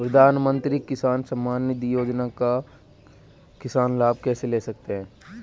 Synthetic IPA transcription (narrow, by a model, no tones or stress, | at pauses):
pɾɐd̪ʱaːnmə̃nt̪ɾikɪsaːnsɐmːaːnːəd̪ijoːd͡ʒnaka | kɪsaːnlaːb̚ʱkɛːseleːsɐk̚t̪eɦɛ̃ː